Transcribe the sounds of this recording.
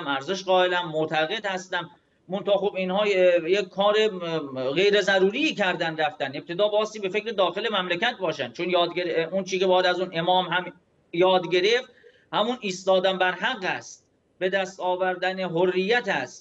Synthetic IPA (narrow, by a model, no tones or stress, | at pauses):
mæɾze̞ʃɢɒːelæmːot̪ʰæɣe̞d̪hæst̪æmː | ont̪ʰɑːxobinhɒːjekkʰɒːɾeɣe̞jɾezæɾuːɾiːcʰæɾd̪ænd̪ɾæft̪ænep̚t̪ʰe̞d̪ɒːbɒːst̪iːbe̞fe̞cɾe̞d̪ɒːxe̞le̞mæmlekæt̪̚bɒːʃæn̥̚t͡ʃʰonjɒːd̪ɡeɾeunt͡ʃʰiːkʲebɒːjæd̪æzuːne̞mɒːmɦæm | jɒːd̪ɟe̞ɾeft̪ | hæmuniːst̪ɒːd̪æmbæɾɦæɢːæst̪ | be̞d̪æst̪ɒːvæɾd̪æneɦorːijːæt̪ʰæst̪